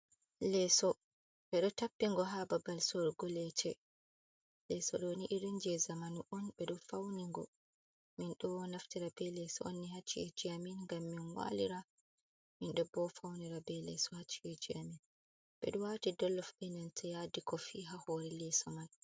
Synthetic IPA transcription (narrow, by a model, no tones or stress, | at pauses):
lɛːsɔ | ɓɛɗɔtapːiŋɡɔɦababalsoɾɡɔlɛt͡ʃʰɛ | lɛsɔ̰ɗɔniʔiɾind͡ʒɛzamanuʔɔnɓɛɗɔfawniŋɡɔ̰ | minɗɔnaftiɾabɛlɛsɔo̰nːiɦat͡ʃːiɛd͡ʒiaminŋɡamːinwa̰liɾa | minɗɔbɔfawniɾabɛlɛsɔhat͡ʃːiɛd͡ʒiamin | ɓɛ̰ɗɔwatidɔlːɔfɓɛnɛntʰɛjadikɔfiːɦahoɾɛlɛsɔmal